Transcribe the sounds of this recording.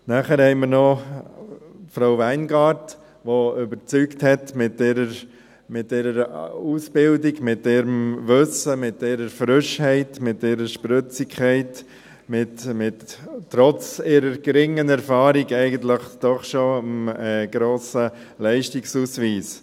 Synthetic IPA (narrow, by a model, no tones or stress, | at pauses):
næχəɾhɛɪməɾnɔ | fɾaʊvæɪnɡɑːɾt | ʋoʏbəɾt͡sykthɛtmɪtɛɾəɾ | mɪtːeːɾəɾusbɪldiɡmɪt̚dɛːɾəmʋʏsəmɪt̚dɛːɾəɾfɾʏʃhɛɪtmɪtːeɾəʃpɾʏt͡sikʰɛɪt | mɪtmɪtːɾɔt͡siɾəɾɡ̥ɾɪŋːənɛɾfɑːɾiɡɛɪɡənt̪ləχd̥ɔχʃoəmɛɡ̥ɾoːsə | lɛɪʃtiksuːsʋiːs